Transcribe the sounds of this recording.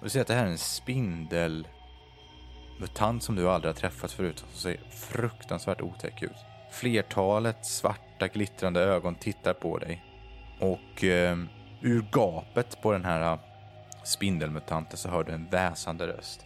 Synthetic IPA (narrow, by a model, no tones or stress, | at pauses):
d̪seːɾat̪̚d̪ɛɦæːɾɛnspɪnd̪əl | mʉt̪ʰant̪sɔmd̪ɵald̪ɾɪhaʈ̪ʰɾɛfːat̪fœɾʉ̟ːt̪ʰɔmsɔsḛːfɾɵkt̪ansvæːʈṵːt̪ʰɛ̰kʰːʉ̟ːt̪ | fleːʈʰɑːlət̪sva̰ʈːaɡlɪt̪ɾand̪əøːɡɔnt̪ʰɪt̪ːaɾpʰɔ̰d̪ɛ̰j | ʔɔk | ʉ̟ɾɡɑːpət̪pʰɔd̪ɛnɦæːɾa | spɪnd̪əlmɵt̪ʰant̪ənsɔɦœːɖɵɛnvɛːsand̪əɾœ̰st̪